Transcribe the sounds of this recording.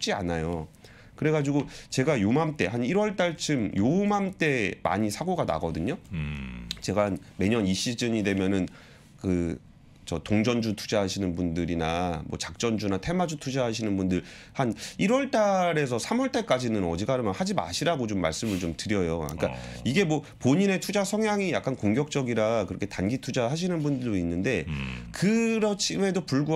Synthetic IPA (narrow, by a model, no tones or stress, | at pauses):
p̚t͡ɕ͈ia̰najo | kɯɾe̞ɡad͡ʑiɡot͡ɕe̞ɡajomamt͈e̞ɦaniɾwʌɭt͈aɭt͡ɕʰɯmjomamt͈e̞ma̰ɲisʰaɡoɡana̰ɡʌdɯɲo | t͡ɕe̞ɡan | me̞ɲʌniɕ͈id͡ʑɯɲidwe̞mjʌnɯn | kɯ | t͡ɕʌtoŋd͡ʑʌnd͡ʑutʰu̥d͡ʑaɦaɕʰinɯnbundɯɾinamwʌ̰t͡ɕak̚t͡ɕ͈ʌnd͡ʑunatʰe̞mad͡ʑutʰud͡ʑaɦaɕ̬ʰinɯnbundɯɭ | haniɾwʌɭt͈aɾe̞sʰʌsʰamwʌɭt͈aɭk͈ad͡ʑinɯnʌd͡ʑiɡaɾɯmjʌnhad͡ʑima̰ɕʰiɾaɡot͡ɕomːa̰ɭs͈ɯmɯɭt͡ɕomtɯɾjʌjo̰ik͈aiɡe̞mwʌ | poɲine̞tʰud͡ʑasʰʌŋjaŋijak͈ankoŋɡjʌk̚t͡ɕ͈ʌɡiɾakɯɾʌkʰetanɡitʰud͡ʑaɦaɕ̬ʰinɯnbundɯɭdoinːɯnde̞kɯɾʌt͡ɕʰime̞dopuɭɡu